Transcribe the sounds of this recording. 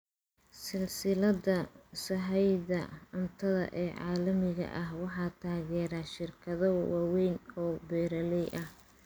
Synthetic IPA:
sɪlsɪlɐðɐsɐɦɛjdɐʊnt̪ʰɐðɐ̰ʔɛːʕɑ̰ːlɐmɪɣɐ̰ʔɐɦwɑħɑːt̪ʰaːɣɛːɾaːʃɪrkʰɐðɔwɑːwɛjnɔːbɛːɾɐlɛjʔɐh

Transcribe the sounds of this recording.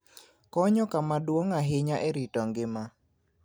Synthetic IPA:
kɔɲɔkamadwoŋaɦɪɲaʔɛɾitɔŋɡɪma

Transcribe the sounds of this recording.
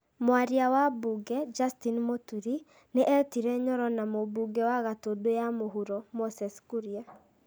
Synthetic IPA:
mwaɾiawabuɡɛd͡ʒastinmotuɾi | neʔɛtiɾɛɲɔɾɔnamobuɡɛwaɣatodojamoɦuɾɔmosɛskuɾia

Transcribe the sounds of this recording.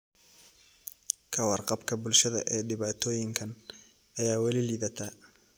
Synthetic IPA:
kʰɐwɑrqɑbkʰɐbʊlʃɐðɐ̰ʔɛːɖɪβaːt̪ʰɔːjɪŋkʰɐn | ɐjaːwɐlɪliːðɐt̪ʰaː

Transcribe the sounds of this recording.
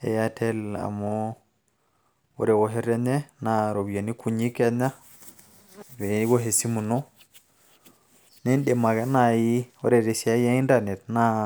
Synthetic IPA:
ɛjatʰɛla̰mɔ | wɔ̰ɾɛwɔɦɛɾɛɲɛnaɾobijanikʰuɲikɛɲa | vɛiɡɔɦesimunɔ | nɛnɗɛmaɡanajiwɔɾɛɾesiajaindanɛtna

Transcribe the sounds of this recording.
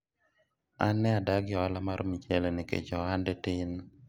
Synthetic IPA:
anːɛadaɡɪɔalamaɾomit͡ʃelenɪkḛt͡ʃɔandɛtɪn

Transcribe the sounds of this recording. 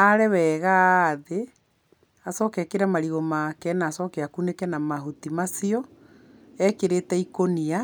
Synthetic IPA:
aɾɛwɛɣaðe | asɔkɛkeɾamaɾiɣomakɛnaːsɔkeakunekɛnamaɦutimasiɔ | ɛkeɾetɛikonia

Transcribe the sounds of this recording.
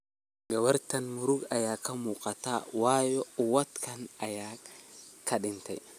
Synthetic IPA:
ɡɐwɐɾt̪ɐnmʊɾʊɡɐjaːkʰɐmuːqʼɐt̪awaːjɔwɐt̪kʰɐnɐjaː | kʰɐɗɪnt̪ʰɛ̰j

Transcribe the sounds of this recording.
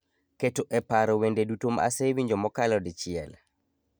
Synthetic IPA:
ketoʔɛpaɾɔwendedutoma̰sewiɲd͡ʒɔmɔkalɔdɪt͡ʃɪɛl

